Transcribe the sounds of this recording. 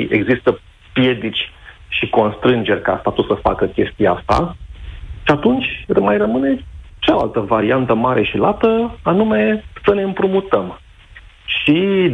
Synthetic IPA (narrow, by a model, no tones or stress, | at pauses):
e̞̰ɡzist̪ə | pje̞d̪it͡ʃʲʃiko̞nst̪ɾɨnd͡ʒe̞rʲka̰st̪at̪usəfa̰kəkʲe̞st̪ijaast̪a̰ | ʃiat̪unt͡ʃʲmajrəmɨne̞t͡ʃalalt̪əvaɾiant̪əmaɾʔe̞ʃilat̪əanume̞səne̞ɨmpɾumut̪əm | ʃi